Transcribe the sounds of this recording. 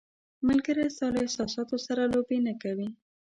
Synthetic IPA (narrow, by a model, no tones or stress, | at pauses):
mʊlɡəɾɪsɑloɪhsɑsɑt̪osaɾalobenakawi